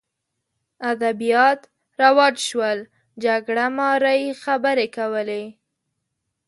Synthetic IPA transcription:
ad̪abijɑt̪ | ɾawɑd͡ʒʃwəl | d͡ʒaɡɽamɑɾajxabəɾekawəle

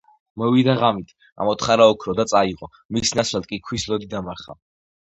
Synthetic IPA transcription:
mɔvid̪aʁamit̪ʰ | a̰mɔt̪ʰχaɾaɔkʰɾɔd̪at̪sʼaiʁɔ | misnasʰlat̪̚kʼikʰwislɔd̪id̪amaɾχa̰

